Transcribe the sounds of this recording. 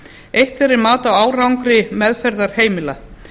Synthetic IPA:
ejht̪ɛɾɪɾmaːt̪awaːwrawŋkɾɪmɛðfɛɾðaɾ̥heːjmɪla

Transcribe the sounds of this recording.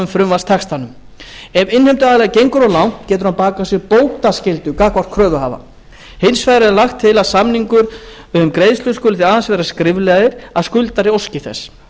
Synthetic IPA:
ʏmfɾʏmvast̪ʰɛxst̪anʏm | ɛvɪnhem̥t̪ʏaðalɛɣacejŋkʏɾɔlawn̥t̪cɛːt̪ʏɾ̥hanpaːkasɛɾpoːwht̪ascɪlt̪ʏkakvar̥kʰɾœːðʏɦa̰ːva̰ | hɪnsfajðɾɛɾlaxt̪ʰːɪlaðsamniŋkʏɾ | ʏmkɾeːjðslʏskʏlɪθiaːðansvɛːɾaskɾɪvlɛɣðɪɾ̥aðskʏlt̪aɾɪowscɪθɛ̰s

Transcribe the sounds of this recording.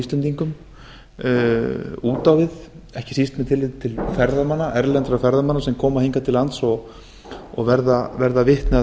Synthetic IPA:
ist̪ɛnt̪iŋkʏm | uːt̪awvɪð | ɛhcɪ̥sist̪mɛðt̪ʰɪlvɪt̪t̪ʰɪlfɛɾðamanːaʔɛɾlɛnt̪ɾafɛɾðamanːasɛmkʰɔːmahejŋkat̪ʰɪlːant̪sɔɣ | ɔɣvɛɾðavɛɾðavɪht̪nɛ

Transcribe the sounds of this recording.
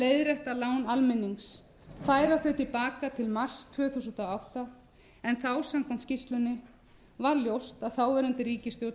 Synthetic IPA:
leːjðɾɛht̪alaːwnalmɪnːiŋs | faːjɾaθœɥt̪ʰɪlpaːkat̪ʰɪlmar̥st̪ʰvœːθusʏnt̪awawht̪a | ɛnθawsamkʰɔnt̪scist̪lʏnːɪ | vaɾljowst̪aðθawvɛːɾʏnt̪ɪɾiːcɪst̪jowt̪n

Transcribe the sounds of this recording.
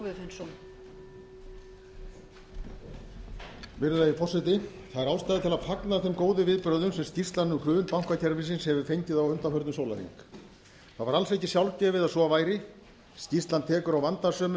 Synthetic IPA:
vɪfɛnsɔn | vɪɾððaifɔrsɪt̪̬ɪ | θaðɛɾawst̪ajðɪt̪ʰɪlaðfaknaθɛmkoːwðʏvɪðpɾœðʏmsɛmscist̪lanːʏkʰɾʏːvʏnpawŋ̥kvacʰɛɾmɪsɪnshɛvʏfejɲcɪðawʏnt̪afœɾt̪nʏsoːwla̰ɾḭŋk | θaðvaɾalsehcɪsjawlcɛːvɪðaðsɔːavaːjɾɪ | scist̪lant̪ʰɛːkʏɾawvant̪asœːmʏ

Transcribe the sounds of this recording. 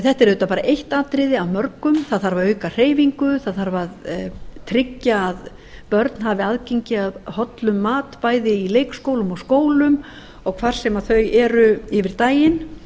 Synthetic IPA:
θɛht̪ɛɾʏt̪apaːɾaʔejht̪aːt̪ɾɪðɪaðmœɾkʏmθaðθaɾvaœɥkar̥eːjviŋkʏθaðθaɾvaðt̪ʰɾɪcːaːð | pœɾt̪n̥haːvɪaðcejɲcɪaðhɔt̪lʏmːaːt̪paːjðɪileːjkskoːwlʏmɔɣskoːwlʏm | ɔɣkʰvar̥sɛmaθœɥjɛɾʏɪvɪɾt̪aːjɪn

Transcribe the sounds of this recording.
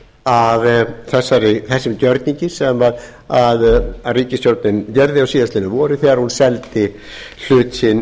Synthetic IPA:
avθɛsːaɾɪθɛsːɪmcœɾt̪niɲcɪsɛmað | aðriːcɪst̪jowɾt̪nɪncɛɾðɪawsiːðast̪ɪnːʏvɔːɾɪθɛɣaɾhunsɛlt̪ɪ | l̥ʏːt̪sɪn

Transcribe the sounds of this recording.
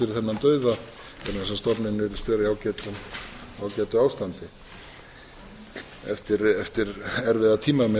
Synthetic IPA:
ɪɾɪθɛnːant̪œːɥða | ɛɾnɛsast̪ɔpnɪnvɛɾʏ̥st̪vɛːɾajawcɛːt̪ʏmawcɛːt̪ʏaːwst̪ant̪ɪ | ɛ̰ft̪ɪɾɛft̪ɪɾɛɾvɪðat̪ʰiːmamɛ

